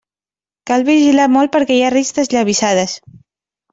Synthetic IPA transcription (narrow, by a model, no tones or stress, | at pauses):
kalˠβiʒilamɔlˠt̪pəɾkɛjarist̪əzʎaβ̞isað̞əs